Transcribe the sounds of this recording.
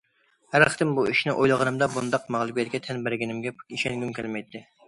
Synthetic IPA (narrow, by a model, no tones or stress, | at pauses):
hæɾqʰə̥t̪ɪmbuiʃnɨʔojlˠəʁɑnɨmd̪ɑbund̪ɑq̚mɑʁlˠubijɛt̪̚kʲɛt̪ʰɛnbæɾɡʲinɪmɡʲɛiʃɛŋɡʲymkʲælmɛjt̪ʰːɪ